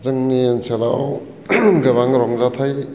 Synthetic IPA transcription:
zɯŋnienselaw | ɡaβaŋɾɔŋzat̪ʰaj

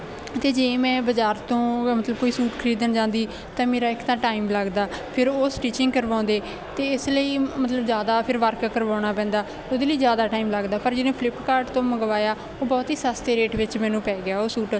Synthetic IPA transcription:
t̪eːd͡ʒeːmɛ̃ːbəd͡ʒaːɾt̪õːmət̪ləb̚koːiːsuːʈkʰəɾiːd̪ənd͡ʒãːnd̪iː | t̪ãːmeːɾaːɪkt̪ãːʈaːiːmləɡd̪aːpʰɪɾoːsʈiːt͡ʃɪ̃ŋɡkəɾʋãːnd̪eː | t̪eːɪsləiːmət̪ləbzjaːd̪aːpʰɪɾʋəɾkkəɾʋãːɽ̃aːpɛ̃ːnd̪aː | oːd̪eːləiːzjaːd̪aːʈaːiːmləɡd̪aːpəɾd͡ʒɪnẽːpʰlɪpkaːɾɖt̪õːməɡʋaːjaː | oːbɔːt̪ɦiːsaːst̪eːɾeːʈʋɪt͡ʃmɛ̃ːnũːpɛːɡɪjaːoːsuːʈ

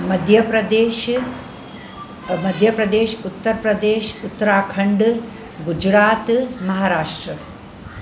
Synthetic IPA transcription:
mɐd̪ʱjɐpɾɐd̪eːʃ | mɐd̪ʱjɐpɾɐd̪eːʃut̪ːɐɾpɾɐd̪eːʃut̪ːɐɾaːkʰɐɳɖ | ɡud͡ʒɾaːt̪mɐɦaːɾaːʂʈɾɐ

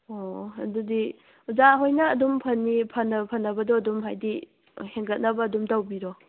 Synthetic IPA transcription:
oɐdudi | uzaɦojnɐːdumpʰɐnːipʰɐnːɐpʰɐnːɐbɐdɔɐdumɦajdi | heŋɡɐt̚nɐbɐːdumdawbiɾɔ

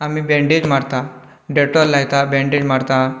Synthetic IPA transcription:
amiːbɛ̃ɳɖed͡ʑmaɽt̪a | ɖeʈɔlːajt̪abɛ̃ɳɖed͡ʑmaɽt̪a

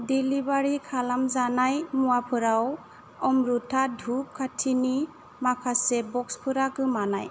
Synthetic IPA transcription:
dilibaɾikʰalamzanajmuwapʰɯɾaw | ɔmɾutʰadʱup̚kʰatʰini | makʰasebɔkspʰɯɾakɯmana̰j

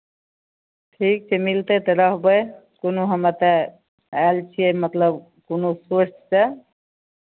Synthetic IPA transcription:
ʈʰik̚t͡ʃʰemilt̪et̪əɾəɦbəjkonoɦəmət̪e | alt͡ʃʰiemət̪ləb | konosoɾt͡ʃt͡ʃe

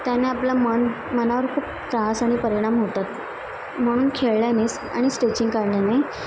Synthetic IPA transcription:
t̪janeaplamən | mənaʋəɾkʰuːp | ʈɾasaɽ̃ipəɾiɽ̃amɦot̪at̪ | m̤əɽ̃uːnkʰeɭljanes | a̰ɽ̃isʈet͡ɕiŋɡkaɾljanej

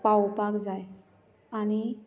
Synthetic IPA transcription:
pawpakd͡zaj | añi

